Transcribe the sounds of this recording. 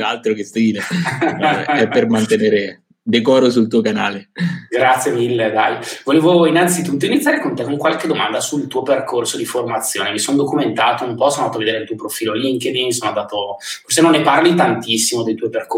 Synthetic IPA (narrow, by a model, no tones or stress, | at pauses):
alt̪ɾokest̪iːleɛɛpːermant̪eneːɾe | d̪ekɔːɾos̬ult̪uːokana̰ːleɡɾat̪sjemilːed̪ajvoleːvoinːant̪sit̪ut̪ːoinit̪sjaɾekont̪ekoŋkwalked̪omand̪asult̪uːoperkʰorsod̪iformat̪sːjo̰ːnevisonod̪okument̪aːt̪oumpɔsonoaat̪oved̪eːɾelt̪uːopɾofiːloliŋked̪inmisoːnoad̪aːt̪ofors̬enonːeparlit̪ant̪isːimod̪ejt̪uːoperko